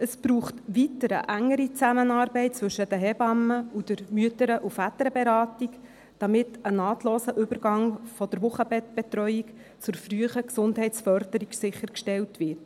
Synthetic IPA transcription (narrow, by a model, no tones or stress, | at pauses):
əsb̥ɾuːχtʋitəɾə̰ʔæŋːəɾit͡sæmənɑːrbɛɪt̚t͡sʋɵʃəd̥əɦɛbɑmːəud̥əɾmyətəɾəʔufæt̪əɾəbɛɾɑːtik | d̥ɑmɪtənɑːtloːsəʔʏbəɾɡɑŋfɔd̥əɾʋʊχəbɛb̥ɛt̪rœʏik | t͡sʊɾfryəχəksʊndɦɛɪt͡sfœɾd̥əɾiksɪχːəɾkʃtɛltʋɪɾt